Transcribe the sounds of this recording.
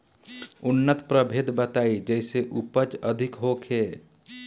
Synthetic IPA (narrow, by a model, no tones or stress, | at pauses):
ʊnːət̪pɾəbʱeːd̪bət̪aːid͡ʒɛːseʔʊpət͡ʃəd̪ʱɪkɦokʰeː